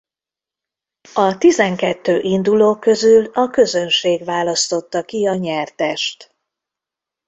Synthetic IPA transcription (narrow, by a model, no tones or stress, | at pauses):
ɒt̪izɛŋkɛt̪ːøːʔind̪uloːkːø̞zylɒkø̞zø̞nʃeːɡʋaːlɒst̪o̞t̪ːɒkiɒɲɛrt̪ɛʃt̪